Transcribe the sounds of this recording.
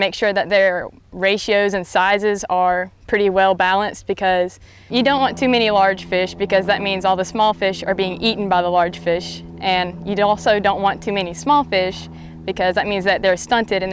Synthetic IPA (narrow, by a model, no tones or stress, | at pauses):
meɪkʃʊɹðɨt̪̚ðə˞ | ɹeɪʃioʊzɨ̃nsaɪzɪzə˞pʰɹ̥ɪɾiwɛlˠbælˠə̃nsb̥ɨkʰʌz̥ | jɨdõʊ̃nʔwɑ̃ntʰʉmɛñilɑɹd̥ʒ̥fɪʃb̥ɨkʌzðɨt̚mĩnzɔlˠðəsmɔlˠfɪʃə˞biɪ̃ŋʔiʔn̩baɪðəlɑɹd̥ʒ̥fɪʃ | ʔɨ̃njɨɔlˠsoʊdõʊ̃nʔwɑ̃ntʰʉmɛnismɔlˠfɪʃ | b̥ɨkʰʌzðɨt̚mĩnzðɨt̪̚ðə˞stʌ̃ntɨɾɨ̃n